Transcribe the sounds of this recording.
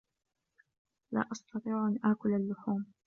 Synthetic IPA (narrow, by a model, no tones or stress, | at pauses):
la̰ːʔɑst̪ɑt̪ˤiːʕʔanʔaːkʊlalːʊħuːm